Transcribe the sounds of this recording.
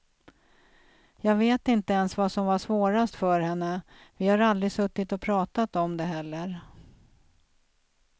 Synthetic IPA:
jɑːɡveːt̪ɪnt̪əɛnsvasɔmvaʂvoːɾast̪fœɾhɛnːəvɪhaɾald̪ɾɪsɵt̪ːɪt̪ɔpʰɾɑːt̪at̪ɔmd̪ɛɦɛlːəɾ

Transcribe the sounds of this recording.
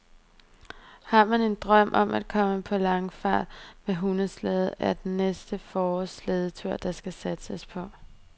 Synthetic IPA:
hɑ̈mæne̝nd̥ʁɶm̰ʔɒ̽mʔæd̥̚kʰɒ̽məpʰɒ̽lɑ̈ŋfɑ̰̈ːd̥meɦunəslɛːð̩ˠæɐd̥enːesd̥əfɒːsleð̞ˠət͡sʰyɐ̰d̥ɑ̈sɡ̥æsæd̥səspʰɒ̽

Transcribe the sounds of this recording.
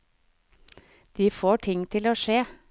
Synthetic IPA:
d̪̥iːfoːʈʰɪŋt̪ʰɪloːʃeː

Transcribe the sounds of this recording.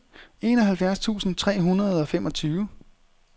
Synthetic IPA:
e̝ːnɒ̽ɦælfjæɐst͡sʰṵːsn̩t͡sʰʁɛ̰ːɦunʁɐð̞ˠɒ̽femʔɒ̽t͡sʰyːʊə

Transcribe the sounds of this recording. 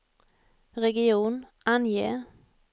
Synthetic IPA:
ɾɛɡɪuːnʔanjḛː

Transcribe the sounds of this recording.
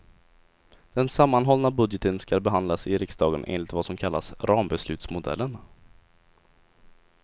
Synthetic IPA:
d̪̥ɛnsamːanɦɔlnabɵd̪jət̪ənskalbɛɦand̪lasɪɾɪksd̪ɑːɡənʔḛːnlɪt̪vasɔmkʰalːa̰sɾɑːmbɛslʉ̟ːt̪smʊd̪ɛ̰lːən

